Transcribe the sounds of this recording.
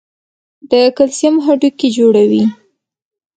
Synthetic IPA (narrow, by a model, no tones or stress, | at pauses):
d̪əkalsjamɦaɖuked͡ʒoɽawi